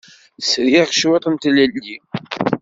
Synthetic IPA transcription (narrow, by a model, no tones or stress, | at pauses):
sɾjʃwæt̪ˤənt̪lælːi